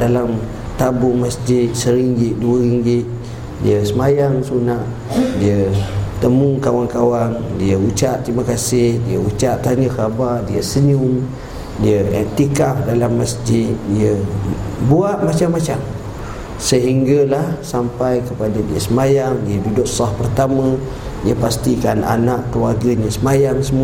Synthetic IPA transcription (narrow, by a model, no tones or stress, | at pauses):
dalam | t̪abʊŋmasd͡ʒɪt̪̚səɾiŋɡɪt̪̚duəɾiŋɡɪt̪̚ | dḭəsəmajaŋsunaʔ | diət̪əmuŋkawaŋkawandiəut͡ʃaʔt̪ɾimakasɪhdiəut͡ʃaʔt̪aɲəxabardiəsəɲuŋ | diəɛ̰t̪ikafdalamːasd͡ʒɪt̪̚diə | buaʔmat͡ʃamːat͡ʃam | səɦiŋɡalahsampajkəpadadiəsəmajaŋdiədudʊk̚sɔhpərt̪amã | diəpast̪ikana̰naʔkəluarɡəɲəsəmajaŋsəmu